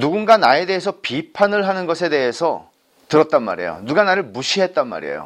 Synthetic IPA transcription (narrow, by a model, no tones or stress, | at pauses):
nuɡunɡanae̞de̞ɦesʰʌpipʰanɯɭɦanɯnɡʌsʰe̞de̞ɦesʰʌ | tɯɾʌt̚t͈anma̰ɾe̞̰jo̰nuɡanaɾɯɭmuɕʰiɦe̞t̚t͈anma̰ɾḛjo̰